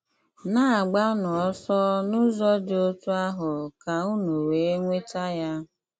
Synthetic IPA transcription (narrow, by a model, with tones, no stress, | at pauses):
na˦a˨ɡ͡ba˦nɔ˨ɔ˦sɔ˦nʊ˦zɔ˦do˦tu˦a˦ɦʊ˨ka˨u˦nu˨we˨˦ŋʷe˦ta˦ja˦